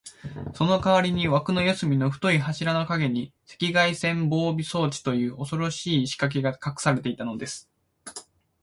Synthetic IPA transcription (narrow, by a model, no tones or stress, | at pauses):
so̞no̞kaβaɾʲiɲ̟iβakɯ̟no̞josɨmʲino̞ɸɯ̥t̪o̞iɦaɕiɾano̞kaɡe̞ɲ̟ise̞̥kʲiɡaisẽ̞mbo̞ːbʲiso̞ːt͡ɕi̥t̪o̞jɯ̟ːʔo̞so̞ɾo̞ɕiːɕi̥kak̬e̞ɡakakɯ̟̥saɾe̞t̪e̞it̪ano̞d̪e̞sɨ̥